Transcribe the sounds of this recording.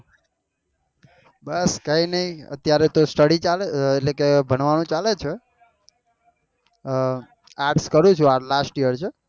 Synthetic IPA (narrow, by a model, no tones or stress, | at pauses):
bəskainəɦĩə̰t̪jaɾet̪osʈəɽit͡ʃaleeʈlekebʱəɳ̃ʋañũt͡ʃalet͡ʃʰe | aɾʈskəɾũt͡ʃʰualasʈijəɾt͡ʃʰe